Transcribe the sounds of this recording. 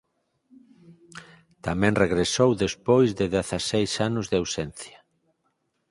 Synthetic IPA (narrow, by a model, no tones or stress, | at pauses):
t̪amɛ̃ŋreɣɾesowðespojzðɪðeθasejsanʊzðɪawsɛnθja